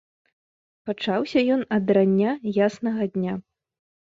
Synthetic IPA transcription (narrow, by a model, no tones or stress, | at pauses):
pat͡ʂawsʲɐjɔnɐd̪ɾanʲːajasnɐɣɐd̪ʲnʲa